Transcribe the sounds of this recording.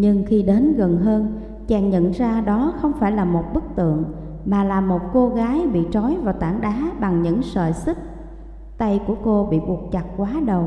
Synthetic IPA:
ɲɨ˧ŋxi˧ɗe˨˦nɣə˨˩nɦəː˧n | t͡ɕɛ˧˩ŋɲə̰˧˨nzaː˧ɗɔ˨˦xə˧wŋ͡mfaː˧˩jlaː˨˩mo˨˩t̚ɓɨ˦˥k̚t̪ɨ̰˧˨əŋ | maː˨˩laː˨˩mo˨˩t̚ko˧ɣaː˨˦jɓḭ˧˨t͡ɕɔ˨˦jvaː˨˩wt̪aː˧˩ŋɗaː˨˦ɓa˨˩ŋɲɨ̰˧˥ŋsə̰ː˧˨˩jsi˦˥k̚ | t̪a˧jku˧˩əko˧ɓḭ˧˨ɓu˨˩ək̚t͡ɕa˨˩t̚kwaː˨˦ɗə˨˩w

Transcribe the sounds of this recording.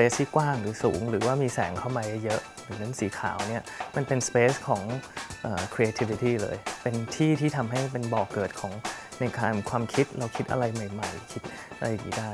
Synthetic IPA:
peː˦˥st̪ʰiː˥˩kwaː˥˩ŋɾɯː˩˦suː˩˦ŋɾɯː˩˦waː˥˩miː˧sɛ̰ː˩˦ŋkʰa˥˩wma˧ja˦˩jɤ˦˥ʔ | ɯ˨˩˦na˦˥nsiː˨˩˦kʰa̰ː˩˦wni˦˥˩ɐma˧npe˧nspeː˦˥skʰɔː˩˦ŋʔəː˨˩kʰɾe˧eː˧t̪ʰi˧˥wi˧t̪iː˥˩lɤ̰ː˧jpe˧nt̪ʰiː˥˩t̪ʰiː˥˩t̪ʰa˧mɦa˥˩jpe˧nbɔː˨˩kːɤː˨˩t̪̚kʰɔː˩˦ŋ | na˧jkaː˧nkʰwaː˧mkʰi˦˥t̪̚ɾa˧wkʰi˦˥t̪̚ʔa̰˧ɾa˧jma˨˩jma˨˩jkʰi˦˥t̪̚ | ʔa˧ɾa˧jdḭː˨˩˦daː˥˩j

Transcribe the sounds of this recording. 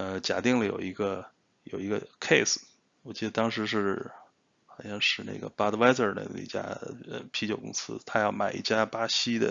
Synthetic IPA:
ə˧t͡ɕja˧˩t̪i˥˩ŋlə˩jo̰˨˩ʊi˧˥ɡə˧ | jo˨˩ʊi˧˥ɡə˧kʰe˥˩ɪs̩˩ | wɔ˨˩t͡ɕi˥d̪ə˧t̪ɑ˥ŋʂɻ̩˧˥ʂɻ̩˥˩ | xa˨˩nɕɑ˥˧ŋʂɻ̩˥˧nḛ˥˩ɪɡə̰˩pa˥d̪ə˧wa˥ɪsə˥˩nə̰˥˩nə̰˧ḭ˧t͡ɕja̰˥ə̰˧pʰi˧˥t͡ɕjo˨˩ʊkʊ̰˥ŋsɹ̩˥t̪ʰa˥jɑ˥˩ʊma˨˩ɪḭ˥˩t͡ɕja˥pa˥ɕi˥d̪ə̰˨

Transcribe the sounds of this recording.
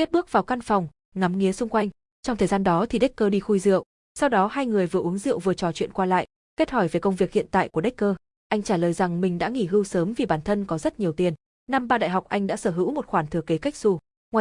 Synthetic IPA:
ke˦˥t̚ɓɨ˦˥ək̚vaː˨˩wka˧nfɔ˨˩wŋ͡m | ŋa˨˦mŋi˨˦əsʊ˧ŋ͡mkwa˧jŋ̟ | t͡ɕɔ˧wŋ͡mt̪ʰəː˨˩jzaː˧nɗɔ˨˦t̪ʰi˨˩ɗe˦˥k̚kəː˧ɗi˧xu˧jzɨ̰˧˨əw | sa˧wɗɔ˨˦ɦaː˧jŋɨ˨˩əjvɨ˨˩əʔu˨˦əŋzɨ̰˧˨əwvɨ˨˩ət͡ɕɔ˨˩t͡ɕwḭ˧˨ənkwaː˧la̰ː˧˨jʔ | ke˦˥t̚hɔ˧˩jve˨˩kə˧wŋ͡mvi˨˩ək̚hḭ˧˨ənt̪a̰ː˧˨jku˧˩əɗe˦˥kəː˧ | ʔa˧jŋ̟t͡ɕaː˧˩ləː˨˩jza˨˩ŋmï˨˩ŋ̟ɗa̰ː˧˥ŋi˧˩ɦɨ˧wsəː˨˦mvi˨˩ɓaː˧˩nt̪ʰə˧nkɔ˨˦zə˦˥t̚ɲi˨˩əwt̪i˨˩ən | na˧mɓaː˧ɗa̰ː˧˨jɦa˨˩k͡p̚ʔa˧jŋ̟ɗa̰ː˧˥səː˧˩ɦɨ̰˧˥wmo˨˩t̚xwaː˧˩nt̪ʰɨ˧˩əke˨˦ka˦˥jk̟̚su˧˩ | ŋwaː˨

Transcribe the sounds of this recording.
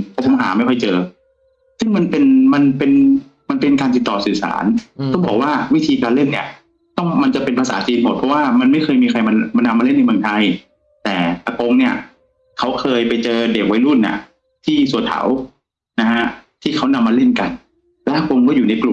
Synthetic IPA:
ɔ˧˥˩pʰo˨˧˦ɦa̰ː˩˦ma˥˩jkʰɔ˥˩jt͡ɕɤː˧ | sɯ˥˩ŋma˧npe˧nma˧npe˧n | ma˧npe˧nkaː˧nt̪i˨˩t̪ːɔː˨˩sɯː˨˩sa̰ː˩˦nɔ˥˩bɔː˨˩k̚waː˥˩wi˦˥t̪ʰiː˧kaː˧nle˥˩nːi˦˥˩ɐ | t̪ɔ˥˩ŋma˧nt͡ɕa˨˩pe˧npʰa˧sa̰ː˩˦t͡ɕiː˧nbʰɔː˨˩t̪̚ʰɔ˦˥waː˥˩ma˧nma˥˩jkʰɤː˧jmiː˧kʰa˧jma˧ma˧nːa˧mːa˧le˥˩nː˧jmɯ˧ə˧ŋt̪ʰa˧j | t̪ɛː˨˩ʔa˧ko˧ŋni˥˩ɐ | kʰa˦˥wkʰɤː˧jpa˧jt͡ɕɤː˧de˨˩k̚wa˦˥jlu˥˩nːa̰˥˩ | t̪ʰiː˥˩su˨˩˦t̪ʰa̰˨˩˦w | na˦˥hʰa˦˥t̪ʰiː˥˩kʰa˦˥wna˧mːaː˧le˥˩nka˧n | lɛ˦˥kʰo˧mkɔː˥˩juː˨˩na˧jklu˨˩m

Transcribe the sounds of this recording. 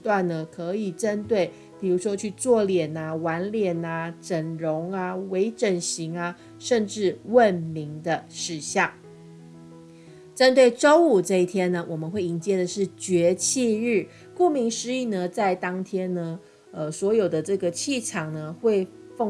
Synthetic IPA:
t̪wa˥˩nnə˩kʰɤ˧˦i˨˩ʈ͡ʂə˦nt̪we˥˩ɪ | pi˨˩ɻu˧˥ʂwɔ˥t͡ɕʰy˥˧t͡swɔ˥˩ljɛ˨˩na˩wa˧˥nljɛ˨˩na˩ʈ͡ʂə˨˩nɻo˧˥ŋa˧we˧˥ɪʈ͡ʂə˨˩nɕi˧˥ŋa˧ | ʂə˥˧nʈ͡ʂɻ̩˥˧wə˥˨˩nmi˧˥ŋd̪ə˧ʂɻ̩˥˩ɕjɑ˥˩ŋ | ʈ͡ʂə˥nt̪we˥˩ɪʈ͡ʂo˥ʊu˨˩ʈ͡ʂɤ˥˧i˥˩t̪ʰjɛ˥nə˨wʔɔ˨˩mə˦nxwe˥˩ɪi˧˥ŋt͡ɕjɛ˥˩d̪ə˩ʂɻ̩˥˩t͡ɕɥɛ˧˥t͡ɕʰi˥˧ɻ̩˥˩ | ku˥˩mi˧˥ŋʂɻ̩˧˥i˨˥˩nə˩t͡sa˥˩ɪt̪ɑ˥ŋt̪ʰjɛ˥nːə˧ | ə˧swɔ˧˥jo˨˩ʊd̪ə˦ʈ͡ʂɤ˥˩ɡə˩t͡ɕʰi˥˩ʈ͡ʂʰɑ˨˩ŋnə˩xwe˥˧ɪ | fo˥˧

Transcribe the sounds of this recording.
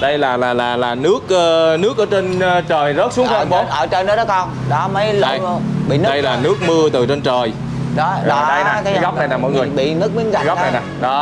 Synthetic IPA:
ɗə˧jlaː˨˩laː˨˩laː˨˩laː˨˩nɨ˦˥ək̚ʔəː˧nɨ˦˥ək̚ʔəː˨˩˦t͡ɕe˧nː˧t͡ɕəː˨˩jzə˦˥t̚su˨˦ŋkːɓo˨˦ʔəː˧˩t͡ɕə˧˩jnəː˨˦˥ɗɔ˨˦˥kɔ˧˩n | ɗɔ˨˦mə˨˦jlɓḭ˧˨nɨ˦ɗə˧jlaː˨˩nɨ˦˥ək̚mɨ˧ət̪ɨ˨˩t͡ɕe˧nt͡ɕəː˨˩j | ɗɔ˨˦ɗɔ˨˦ɗə˧jaː˨kaː˨˦ɣa˦˥w̚k͡p̚na˨˩jlaː˨˩mɔ̰˧˦jŋɨ˨˩ə˩jɓḭ˧˨nɨ˦˥k̚mi˨˦nɣa˨˩˨ɣa˦˥na˨˩jnaː˨˩ɗɔ˨˦

